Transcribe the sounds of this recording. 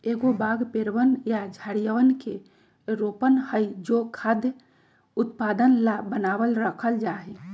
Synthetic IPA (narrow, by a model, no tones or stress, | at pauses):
eɡobaɡpeɾʋənjad͡ʒʱəɽijəʋənke | ɾopənhəjd͡ʒokʰad̪jə | ut̪pad̪ənlabənabəlɾəkʰəld͡ʒaɦe